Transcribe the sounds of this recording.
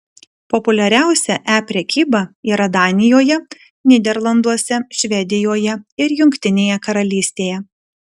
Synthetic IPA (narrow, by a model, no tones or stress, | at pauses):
pɔpʊlʲɛɾʲæˑʊsʲɛʔæːpʲɾʲɛkʲiːbɐiːɾɐd̪ɑːnʲɪjoːjɛ | nʲɪd̪ʲɛɾlˠɐnd̪uɔsʲɛʃʲʋʲɛd̪ʲɪjoːjɛɪɾjʊŋʲkʲt̪ʲɪnʲeːjɛkɐɾɐlʲiːsʲt̪ʲeːjɛ